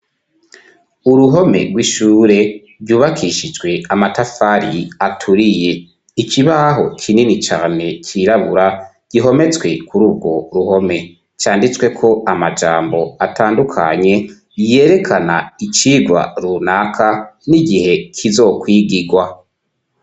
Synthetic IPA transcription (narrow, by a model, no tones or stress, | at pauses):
uɾuɦo̞me̞̰ɡwiʃuːɾe̞ | bjuːβakʰiʃid͡ʒɡwe̞amatafaɾiatʰuɾije̞ | ikʰiβaɦo̞̰kʰininit͡ʃaːne̞kʰiɾaβuɾa | ɡ̥iɦo̞me̞t͡skwe̞kuɾuːbɡo̞ɾuho̞me̞ | t͡ʃaːndit͡swe̞kʰo̞amad͡ʒa̰ːmbo̞atʰaːndukʰa̰ɲe̞ | je̞ːɾe̞kʰana̰it͡ʃiːɡwa̰ɾunakʰaniɡihe̞kʰizo̞kwiːɡiɡwa